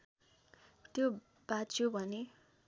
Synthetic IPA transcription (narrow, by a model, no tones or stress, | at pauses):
t̪jo | b̥at͡sʰjobʱʌne